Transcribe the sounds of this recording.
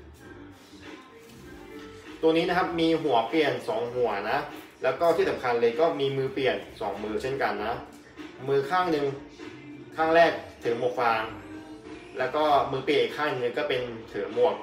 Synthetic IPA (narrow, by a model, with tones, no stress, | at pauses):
t̪u˧əniː˦˥na˦˥kʰa˦˥p̚miː˧ɦu˨˩˦ɐpli˨˩ənsɔː˩˦ŋɦu˨˩˦ɐna˦˥lɛː˦˥wkɔː˥˩t̪ʰiː˥˩sa˩˦mkʰa˧nlɤː˧jkɔː˥˩miː˧mɯː˧pli˨˩ənsɔː˩˦ŋmɯː˧t͡ɕʰe˥˩nka˧nːa˦˥ | mɯː˧kʰaː˥˩ŋnɯ˧ŋ | kʰaː˥˩ŋɾɛː˥˩k̚t̪ʰɯ˩˦ŋmu˨˩ək̚laː˧ŋ | lɛː˦˥wkɔː˥˩mɯː˧pli˨˩nʔiː˨˩kʰaː˥˩ni˨˧ŋnɯ˧ŋkɔː˥˩pe˧nt̪ʰɯː˩˦mu˨˩ək̚